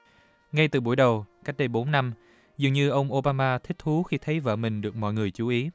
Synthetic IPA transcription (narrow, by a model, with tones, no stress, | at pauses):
ŋa˧jt̪ɨ˨˩ɓu˧˩əjɗə˨˩wka˦˥k̚ɗə˧jɓo˨˦nːa˧m | zɨ˨˩əŋɲɨ˧ʔə˧wŋ͡mʔo˧ɓaː˧maː˧t̪ʰï˦˥k̚t̪ʰu˨˦xi˧t̪ʰə˨˦jvə̰ː˧˩mï˨˩ŋ̟ɗɨ˨˩ək̚mɔ̰˧˨jŋɨ˨˩əjt͡ɕu˨˦ʔi˨˦